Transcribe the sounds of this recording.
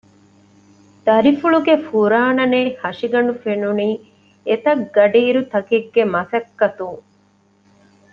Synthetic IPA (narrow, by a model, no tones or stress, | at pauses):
d̪̥ɐɾifuɭuɡefuɾaːnɐneːhɐʂiɡɐnufenuniː | et̪ɐɡɐɖiːɾut̪ɐkiɡːemɐsɐkːɐt̪uŋ